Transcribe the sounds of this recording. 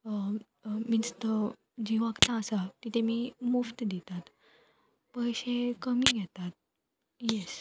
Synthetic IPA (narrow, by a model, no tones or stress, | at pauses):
ə | minst̪ə | d͡ʑiʋakt̪aːsat̪it̪emimuft̪d̪it̪at̪ | pəjɕekəmiɡʱɛt̪at̪̚ | jɛs